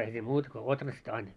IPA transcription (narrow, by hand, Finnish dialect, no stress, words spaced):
eihæ siːm muːt ko otrɑst ɑin